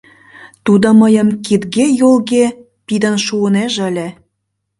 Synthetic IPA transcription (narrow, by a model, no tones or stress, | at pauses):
t̪ud̪oməjəmkid̪ɣejolɣe | pid̪ənʃuəneʒəlʲe